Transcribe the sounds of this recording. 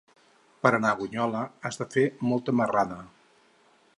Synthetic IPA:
pəɾənaɣuɲɔləəzðəfemɔlˠt̪əməraðə

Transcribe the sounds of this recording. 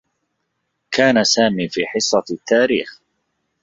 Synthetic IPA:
kʰaːnasaːmiːfiːħɪsˤːɑt̪ʰːaːɾḭːx

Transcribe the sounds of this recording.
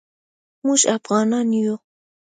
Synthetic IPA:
mʊʃapɢɑnanjo

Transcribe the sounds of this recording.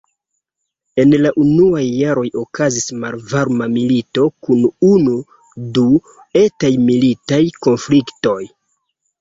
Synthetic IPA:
e̞nlaʔunuajːaɾo̞jo̞kazismalvaɾmamilito̞kununu | du | e̞tajmilitajko̞nflikto̞j

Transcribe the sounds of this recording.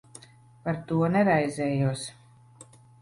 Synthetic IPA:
paɾt̪uɔnɛɾajzɛːjuɔs

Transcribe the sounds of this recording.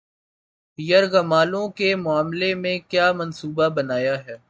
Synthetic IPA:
jɐɾɣɐmaːlõkemʊaːmlemẽkjaːmɐnsuːbabɐnaːjaɦɛː

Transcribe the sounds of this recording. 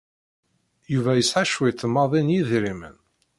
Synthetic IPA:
juvæjəsʕaʃwiθəmːɑðˤinjiðɾimə̰n

